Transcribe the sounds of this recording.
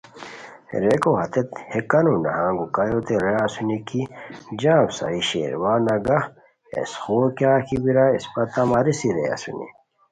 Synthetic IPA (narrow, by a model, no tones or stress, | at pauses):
ɾekoɦɐt̪et̪hekɐnonɐ̰ɦãːŋɡukɐjot̪eɾeasunikid͡ʑãːbsa̰iɕḛːɾwaːnɐɡɐh | ḛsxoːkjaːkibiɾaispɐt̪ɐmɐɾisiɾea̰sṵnḭ